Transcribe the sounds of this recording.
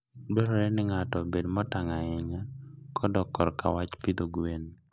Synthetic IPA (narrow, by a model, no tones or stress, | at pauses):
doɾɔɾɛnɪŋatɔbedmɔtaŋaɛɲakʰɔdɔkːɔ̰ɾka̰wat͡ʃpid̪oɡwen